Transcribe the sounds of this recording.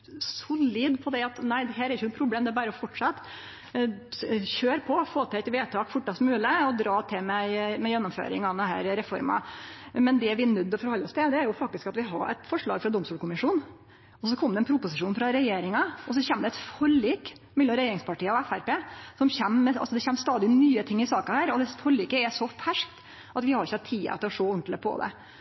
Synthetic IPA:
sʊliːd̪pʰɔd̪ɛɑt̪næɪd̪ɛɦæːɾæɾɪçənʊpʰɾʊbleːmd̪ɛæbɑːɾəɔfɔʈʂɑt̪ː | çøːɾpʰɔfoːt̪ʰɪɛt̪ʋeːt̪ʰɑːkfʊʈːɑsmʉːləɔd̪ɾɑːt̪ʰɪmɛmɛjɛnːɔmfø̰ːɾɪ̰ŋɑd̪ɛnɦæ̰ːɾɾɛfɔɾmɑ̰mɛnd̪ɛʋɪnʉd̪ːɔfɔɾhɔlːəɔst̪ɪld̪ɛæɾjʊfɑk̚t̪ɪskɑt̪ʋɪɦɑ̰ɾɛ̰t̪fɔʂɭɑ̰ːɡfɾɑd̪ɔmst̪uːlkʰʊmɪʂuːn | ɔsɔkʰɔmd̪ɛnpʰɾʊpʊsɪʂuːnfɾɑɾɛjeːɾɪŋɑɔs̬ɔçɛmd̪ɛt̪fɔɾiːk | mɛlːɔmɾɛjeːɾɪŋspʰɑʈiːəɔɛfæɾpeːsɔmçɛmːɛɑ̰sɔd̪ɛçɛmːst̪ɑːd̪ɪnyːət̪ʰɪŋːɪsɑːkɑhæːɾɔd̪ɛsfɔɾliːkəɛʂɔfæʂkt̪ | ʔɑt̪ʋɪhɑɾɪçːəɑt̪ʰːiːɑ̰t̪ɪlɔʂoːʊnt̪ləpʰɔ̰d̪ɛ̰

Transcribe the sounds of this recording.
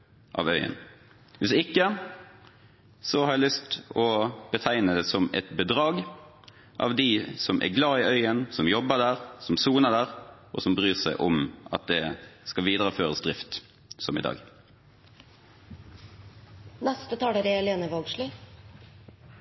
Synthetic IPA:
ʔɑ̰ːʋœʏə̰n | ʋɪsɪkːə | sɔhɑːɾjæɪlʏst̪ɔbət̪ʰæɪnəd̪ɛːsɔmɛ̰t̪bəd̪ʁɑːɡ | ʔɑ̰ʋd̪isɔmʔɛ̰ɡlɑːɪœʏənsɔmjɔbːəd̪æːʁsɔmsuːnəd̪æːʁʔɔ̰sɔmbʁyːʁsæɪʔʊmɑ̰t̪̚d̪ɛskɑʋiːd̪ʁəføːʁəsd̪ʁɪft̪ | sɔmɪ̰d̪ɑ̰ːɡ | nɛst̪ət̪ʰɑːɽəɾɛɛleːnəʋɔɡʃli

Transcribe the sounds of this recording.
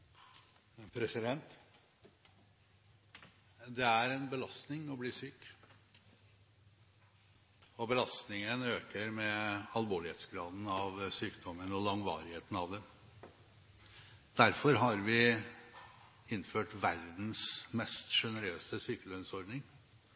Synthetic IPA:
pʰɾɛsɪd̪ɛnt̪ | d̪ɛæɾɛnbəlɑst̪nɪŋɔbliːsyːk | ɔbəlɑst̪nɪŋənøːkəɾmɛɑlʋoːɭɪheːt̪sɡɾɑːd̪n̩ɑʋsyːkd̪ɔmːənɔlɑŋʋɑ̰ːɾɪheːt̪n̩ɑʋd̪ɛm | d̪æɾfɔɾɦɑɾʋɪ | ɪnːføːʈʋæɾd̪n̩smɛst̪ʂɛnəɾøːsəsyːkəlœnsɔɾɖnɪŋ

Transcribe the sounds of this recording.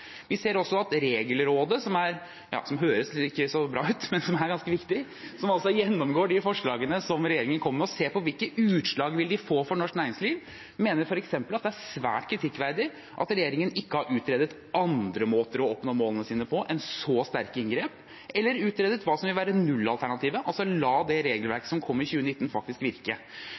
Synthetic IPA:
ʋɪseːɾɔsːɔɑt̪ɾeːɡəlɾoːd̪əsɔmæɾ | jɑ̰ːsɔmɦøːɾəsɪkːəsɔbɾɑ̰ːʉːt̪mɛnsɔmæɾɡɑnskəʋɪkt̪ɪ | sɔmɑlsɔjɛnːɔmɡoːɖɪfɔʂɭɑːɡənəsɔmɾɛjeːɾɪŋənkʰɔmːəmɛɔseːpɔʋɪlkəʔʉːt̪ʂɭɑːɡʋɪld̪ɪfoːfɔɳɔʂknæːɾɪŋsliːʋ | meːnəɾfɔɾɛksɛmpəlɑt̪̚d̪ɛæɾsʋæ̰ːʈkʰɾɪt̪ʰɪkːʋæɾd̪ɪ | ʔɑ̰t̪ɾɛjeːɾɪŋənɪkːəhɑɾʉːt̪ɾeːd̪ət̪ | ɑnd̪ɾəmoːt̪əɾɔɔpːnoːmoːlənəsiːnəpʰɔʔɛnsɔst̪æɾkɪnɡɾeːp | ʔɛlːəɾʉːt̪ɾeːd̪ət̪ʋɑːsɔmʋɪlʋæːɾənʉlːɑlt̪ʰæɳɑt̪iːʋəʔɑlsɔlɑːd̪ɛɾeːɡəlʋæɾkə̥sɔmkʰɔmːɪçʉːənɪt̪ːn̩fɑk̚t̪ɪskʋɪɾkə

